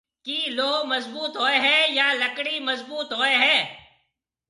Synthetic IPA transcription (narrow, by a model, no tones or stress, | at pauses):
kiːloːɦməzbuːt̪ɦoːeɦɛ̃ːjaːləkɽiməzbuːt̪ɦoːeɦɛ̃ː